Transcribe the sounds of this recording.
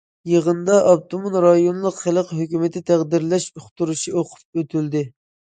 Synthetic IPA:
jəʁənd̪ɑʔɑp̚t̪ʰomonɾɑjonlˠəqχəlˠəqɦøkʲymɪt̪ɪt̪ʰæʁd̪ɪɾlɛʃoχt̪uɾuʃioqʰʊ̥p̚øt̪ʰyld̪ɪ

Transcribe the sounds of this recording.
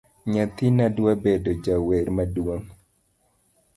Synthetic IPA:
ɲat̪inadwabedod͡ʒaweɾmadwoŋ

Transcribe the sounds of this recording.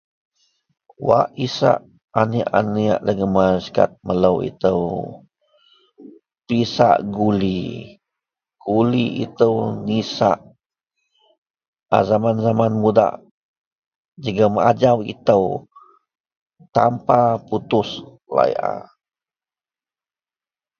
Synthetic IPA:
waʔisa̰ʔ | aniʔania̰ʔləɡəmaska̰t̪̚mələwḭt̪əw | pisa̰ʔɡuli | ɡuliḭt̪əwnisa̰ʔ | azamanzamanmuda̰ʔ | d͡ʒəɡaməad͡ʒawḭt̪əw | t̪ampaput̪ʊs | la̰jʔa̰

